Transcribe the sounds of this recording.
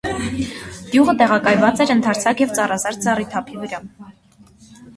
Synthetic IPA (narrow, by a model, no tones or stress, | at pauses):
d̪̥juʁət̪ɛʁɑkɑjvɑt͡sɛɾənt̪ʰɑɾt͡sʰɑkjɛvt͡sɑrɑzɑɾd͡zɑrit̪ʰɑpʰivəɾɑ